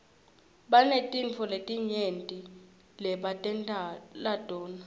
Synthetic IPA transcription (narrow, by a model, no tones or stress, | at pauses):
ɓanetʼiɱt͡fʰɔletʼiɲentʼi | lɛɓatʼɛntʼalad̥ʱʼɔːna